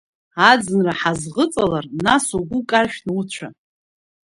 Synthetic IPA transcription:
ad͡zɨnraħazʁət͡sʼalarnasoɡʷʊkʼarʃᶣnut͡ɕʷʰa

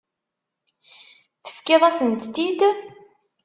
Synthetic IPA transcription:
θə̥fkɪðˤæsənt̪ːid̪

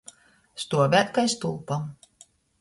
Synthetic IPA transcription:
st̪uɔvʲæt̪kajst̪ulˠpam

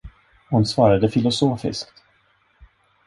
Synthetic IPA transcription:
hʊnsvɑːɾad̪əfɪlʊsoːfɪ̰skt̪

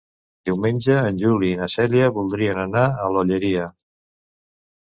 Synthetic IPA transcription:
d̪iwmenʲd͡ʒəːnʲʒuliːnəsɛliəβulˠd̪ɾiənənaəloʎəɾiə

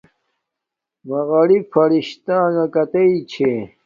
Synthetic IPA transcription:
mɐɣɐɽifɐɾiɕt̪ãːŋɐkɐt̪ɐit͡ɕʰe

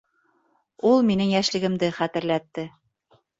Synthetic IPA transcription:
ulˠminɘŋjæʃlɘ̆ɡɘ̆md̪ɘχæt̪ɘ̆ɾlæt̪ːɘ

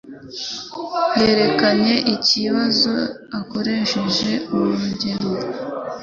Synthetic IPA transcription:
jeɾe̞kaɲe̞ʔiciβazo̞ | ako̞ɾe̞ːʃeʒe̞uβuɾuɟe̞ɾo

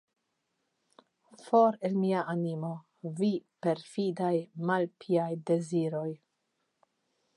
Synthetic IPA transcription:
fo̞ɾe̞lmiaʔanimo̞ | vipe̞ɾfidajmalpʰiajde̞ziɾo̞j

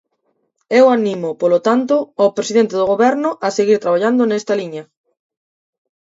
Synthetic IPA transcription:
ewanĩmʊpolot̪ant̪ʊapɾesiðent̪eðoɣ̞oβɛɾnʊʔɐseɣiɾt̪ɾaβ̞aʎand̪ʊnɛst̪ɐliɲɐ

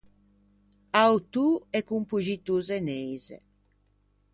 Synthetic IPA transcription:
awt̪uɛkumpuʒit̪uzɛnejzɛ̰

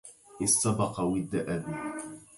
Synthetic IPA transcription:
ʔɪsɑbɑqɑwɪd̪ːaʔabi

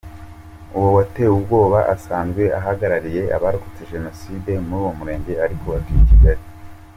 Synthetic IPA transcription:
uwowatewubɡo̞ːβaʔasaːnzɡwe̞ʔaɦaɡaɾaɾije̞ʔa̰βaɾuku̥t͡seʒe̞no̞siːde̞muɾuːwo̞muɾe̞ːɲɟe̞aɾiko̞wavijiciɡaɾi

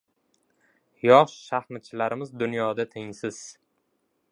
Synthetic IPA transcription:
jɒʃʃaχmɪt̪̚t͡ʃʰɪlaɾɪmɪzd̪ʊnjɒd̪at̪ʰɪŋsɪz̥

